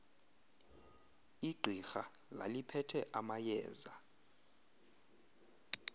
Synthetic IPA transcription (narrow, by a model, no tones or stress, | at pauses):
iɡ͡ǀʱixa | la̰lipʰɛtʰɛʔamajɛ̰ːza